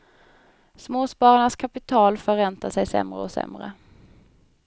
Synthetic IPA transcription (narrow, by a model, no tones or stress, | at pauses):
smoːspɑːɾaɳaskʰapɪt̪ʰɑːlfœɾɛnt̪asɛjsɛ̰mɾə̰ɔsɛ̰mɾə̰